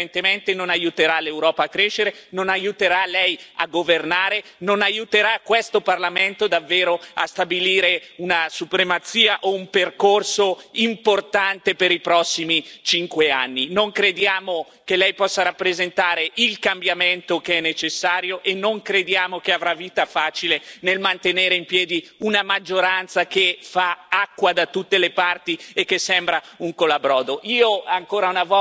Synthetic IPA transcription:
ent̪ement̪enonajut̪eɾalewɾɔːpaːkːɾeːʃːeɾenonajut̪eɾalɛja̰ɡːovernaːɾe | nonajut̪eɾakːwest̪oparlament̪od̪avːeːɾoa̰st̪abiliːɾeunasupɾemat̪siːaʔoumperkorsoimport̪ant̪epeɾipɾɔsːimit͡ʃiŋkweanːinoŋkɾed̪jaːmo | kelɛjpɔsːaɾapːɾezent̪aːɾeʔilkambjament̪okeɛnːet͡ʃesːaːɾjoʔenːoŋkɾed̪jaːmokeavɾavːiːt̪afaːt͡ʃilenelmant̪eneːɾeimpjɛːd̪iunamad͡ʒːoɾant̪sakefaakːwad̪at̪ut̪ːelepart̪iekːesːɛmbɾauŋkolabɾɔːd̪oʔiːoaŋkoːɾaunavɔ

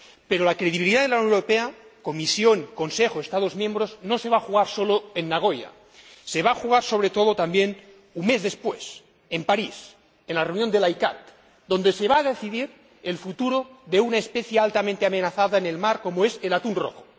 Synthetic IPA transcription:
pe̞ɾolakɾeð̞iβ̞iliðaðelawnoeɾopeako̞misjo̞ŋko̞nsexoest̪að̞ozmjẽ̞mbɾo̞zno̞seβaxuɣ̞aɾso̞loenːaɣ̞o̞ja̰ | se̞β̞aːxuɣ̞aɾso̞βɾet̪o̞ð̞ot̪ambje̞n | unme̞zðe̞spwe̞s | empaɾis | enlareunjond̪e̞lajka̰t̪̚ | d̪ond̪ese̞βaːðe̞θiðiɾ | elfut̪uɾoðe̞unaespeθjealt̪amẽnt̪eame̞naθaðaene̞lmaɾko̞moese̞lat̪unro̰xo

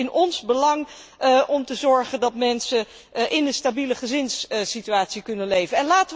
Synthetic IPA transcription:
ɪnɔnzbəlɑŋ | ʔɔmtəzɔɹχəndɑtmɛnsə | ʔɪnənstabiləχəzɪnssityaːtsikɵnənlejvənɛnlaːtə

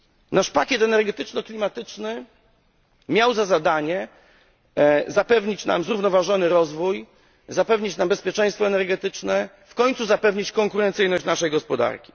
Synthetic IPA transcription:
naʂpakʲjɛt̪ɛnɛɾɡɛt̪ɘt͡ʂnɔklʲimat̪ɘt͡ʂnɘ | mʲjawzazad̪aɲɛ | zapɛvɲit͡ɕna̰mzɾuvnɔvaʐɔnɘɾɔzvuj | zapɛvɲit͡ɕnambɛspʲjɛt͡ʂɛ̃j̃st̪fɔɛnɛɾɡɛt̪ɘt͡ʂnɛ | fkɔɲʲt̪suzapɛvɲit͡ɕkɔŋkuɾɛnt̪sɘjnɔɕt͡ɕnaʂɛjɡɔspɔd̪a̰ɾkʲi̥

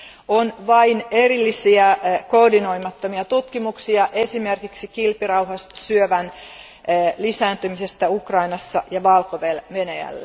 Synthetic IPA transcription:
onʋɑine̞rilːisiæko̞ːdino̞jmɑt̪ːomiɑt̪ut̪kimuksiɑʔe̞sime̞rkiksikilpirɑwɦɑssyøʋænː | lisæːnt̪ymise̞st̪æukrɑinɑsːɑjɑʋɑlkoʋelʋe̞nejæ̰lːe

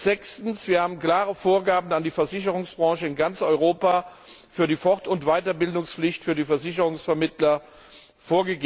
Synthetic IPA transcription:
z̥ɛkstn̩sv̥iːɐhaːbm̩kl̥aːʁəfoːɐɡaːbn̩andiːfɛɐzɪçəʁʊŋsb̥ʁɑ̃ːʃəɪnɡant͡sʔɔʏʁoːpaːfyːɐɾiːfɔʁtʊntv̥aɪtɐbɪldʊŋsflɪçtfyːɐdiːfɛɐzɪçəʁʊŋsfɛɐmɪtlɐ | foːɐɡəɡeː

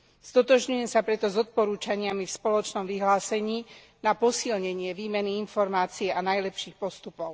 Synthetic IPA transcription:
st̪ɔt̪ɔʒɲujɛmsapɾɛt̪ɔzɔt̪̚pɔɾuːt͡ʃaɲɪamifspɔlɔt͡ʃnɔmʋiɦlaːsɛɲiː | napɔsilɲɛɲɪɛʋiːmɛniinfɔɾmaːt͡sijɛʔanajlɛpʃiːxpɔst̪upɔʊ

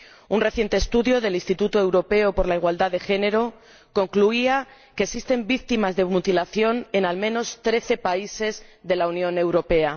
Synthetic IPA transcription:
unre̞θje̞nt̪eːst̪uðjo̞ðe̞linst̪it̪ut̪oe̞wɾo̞pe̞opo̞ɾlaiɣwald̪aðe̞xe̞ne̞ɾo̞ | ko̞ŋkluia | ke̞ːsist̪e̞mbik̚t̪imazðe̞mut̪ilaθjo̞ne̞nalmẽno̞st̪ɾe̞θe̞paise̞zðe̞launjõ̞ne̞wɾo̞pe̞a

